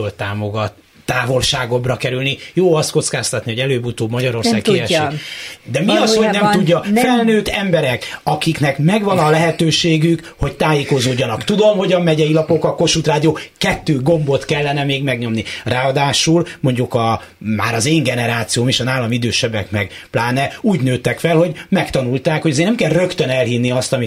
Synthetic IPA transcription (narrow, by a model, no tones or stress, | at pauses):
olt̪aːmo̞ɡɒt̪ː | aːvo̞lʃaːɡo̞brɒkɛɾylnijoːɒst̪ko̞t̪skaːst̪ɒt̪nihoɟɛløːbut̪oːbmɒɟɒɾo̞rsaːkːɛʃid̪ɛmiɒsonɛmt̪uɟːɒfɛlnøːt̪ɛmbɛɾɛkɒkiknɛkmɛɡʋɒnɒlɛɦɛt̪øːʃeːɡyk | ho̞c̚t̪aːjeːko̞zoːɟːɒnɒkt̪ud̪o̞mho̞ɟɒmːɛɟɛjilɒpo̞kɒko̞ʃut̪raːd̪ijoːkɛt̪ːøːɡo̞mbo̞t̪kɛlːɛnɛmeːɡmɛɡɲo̞mniraːɒd̪aːʃulmo̞ɲɟukɒma̰ːɾɒzeːŋɡɛnɛɾaːt̪sijoːmeʃɒnaːlːɒmid̪øːʃɛbɛkmɛɡplaːnɛuːɟnøːt̪ɛkfɛlho̞ɟmɛkt̪ɒnult̪aːkhoɟɒzeːrnɛmkɛlrø̞kt̪ønɛlhinːiɒst̪ɒmi